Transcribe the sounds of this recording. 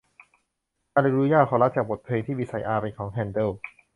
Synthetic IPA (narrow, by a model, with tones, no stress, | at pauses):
aː˧la˧jɾuː˦˥jaː˥˩kʰɔː˩˦la˦˥t̪̚t͡ɕaː˨˩k̚bo˨˩t̪̚pʰeː˧ŋt̪ʰiː˥˩iː˦˥sʰa˨˧˩jʔaː˧ɾe˧kʰːɔː˩˦ŋɦʰɛː˧nd̪e˥˩